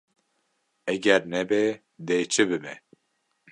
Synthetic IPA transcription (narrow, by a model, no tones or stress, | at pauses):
ɛɡɛɾnɛbe | d̪eːt͡ʃʰɨbɨbɛ̰